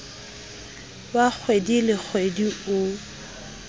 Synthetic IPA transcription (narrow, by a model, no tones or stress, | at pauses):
wak͡xʰwedilɪk͡xʰwediʊ